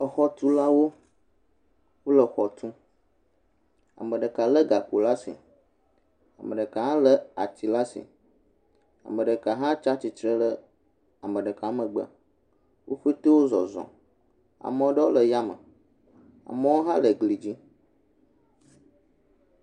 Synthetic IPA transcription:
ə˨xɔ˨t̪u˦la˦wo˦ | wo˦lə˨xɔ˨t̪ũ˦ | a̰˨mə̃˨ɖə˨ka˨lə˦ɡa˨k͡po˨la˦sḭ˨ | a̰˨mə˨ɖə˨ka˨ɦã˦lə˦a̰˨t̪i˨la˦sḭ˨ | a̰˨mə̃˨ɖə˨ka˨ɦã˦t͡ʃa˦t͡ɕi˨t̪ɾə˦lə˦ | a˨mə̃˨ɖə˨ka˨a˦mə̃˨ɡ͡bɛ˦˨a̰˨ | wʔo˦ɸe˦t̪e˦wo˦zɔ̰˨zɔ̰̃˨ | a̰˨mə̃˨˦ɖə˦wo˦lə˨ja˦mə̰˨ | a̰˨mə˦wo˦ɦã˦lə˨ɡli˨d͡ʑi˦

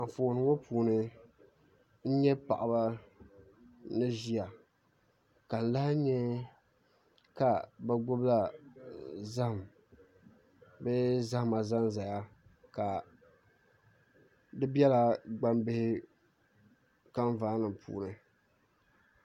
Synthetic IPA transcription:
a˨ɱ˨fo˨nɨ˨˦ŋo˦pʰuː˨nɨ˦ | n̩˦ɲɛ˦pa̰˨ʔa˨ba˦ | nɨ˦ʒi˦a˨ | ka˨n̩˨la˦hɲɛ˦ | ka˨bɛ˦ɡo˦bla˦ | za˦hm | bɛ˦za˦hma˨za˦n˦za˨ja˦ka˨ | dɨ˦bɛ˦la˨ɡ͡ba˦mbɪ˦hɪ˦ | ka˦ɱ˦vaː˦nɨ˨mpʰṵː˨nɨ˨

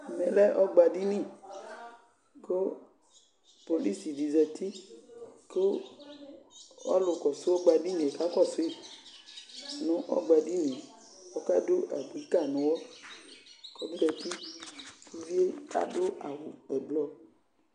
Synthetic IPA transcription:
mɛ̃˨lɛ˦ʔɔ˦ɡ͡ba˨di˦nĩ˦˨ | ko˦ | po˨li˦si˨di˨zɛ˨t̪i˦ | ko˦ | ɔ̰˦lʊ˨kɔ˨sʊ˦ɔ˦ɡ͡ba˧di˦ɲ˨e˨ka˦kɔ˦˨sʊ˦e˦˨ | nʊ̃˦ʔɔ̰˦ɡ͡ba˨di˦nĩ˨ | wɔ˦ka˦do˦ʔa̰˨ɡ͡bi˨˦ka˦˨nʊ̃˦wɔ˦ | kɔ˦bi˦dɛ˨t̪i˦ku˦vi˦e˦a̰˨do˦a̰˨wʊ˨ɛ˨blɔ˨

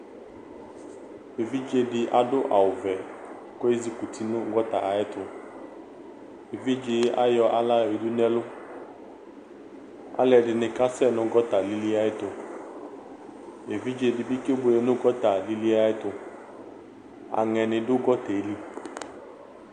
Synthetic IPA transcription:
e˨vi˦d͡ʒe˦dɪ˨ʔa˨dʊ˦ʔa˨ʊ˨vɛ˨ | kɔ˦e˦zi˦ku˨tʰi˦nʊ̃˦ɡɔ˦ta̰˨a˨ɪ˦tʊ˨ | e˨vi˦d͡ʒɪ˨˦a̰˦jɔ˨ʔa˨la˦˨e˨du˦nɛ˦lʊ˦ | a̰˨lɛ˨dɪ˨nɪ˨ka˦sɛ˦nʊ̃˦ɡɔ˦ta˨li˦li˦a˦ɪ˦tʊ˨ | e˨vi˦d͡ʒe˦dɪ˨bɪ˦kɪ˦bʊ˨e˨nʊ̃˦ɡɔ˦ta˨li˦li˦a˦ɪ˦t̪ʊ˨ | a̰˨ŋɛ˨nɪ̃˨dʊ˦ɡɔ˦tɛ˨li˦

